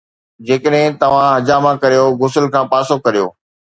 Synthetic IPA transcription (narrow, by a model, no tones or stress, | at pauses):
d͡ʑeːkəɗɦɪ̃t̪ɐʋ̤ãɦɐd͡ʑaːmãkɐɾijoɣʊsəlkʰãːpaːsokɐɾijo̰ː